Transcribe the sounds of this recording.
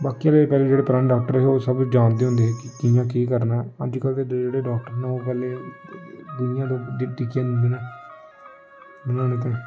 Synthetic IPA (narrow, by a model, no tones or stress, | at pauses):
baːkijaːleːpɛːleːd͡ʒeːɽeːpɾãːnɖaːk̚ʈəɾɛɦoːsəbd͡ʒaːnd̪eːɦʊ̃nd̪eːɦɛːkɪkijãːk̬iːkəɾnaːəd͡ʒkəlt̪eːd͡ʒeːɽeːɖaːk̚ʈəɾnɛːoːp̬ɛːleː | d̪ʊnɪjãːt̪õːʈikjãːnɪ̃eːnɛː | bənaːnẽːt̪̬ã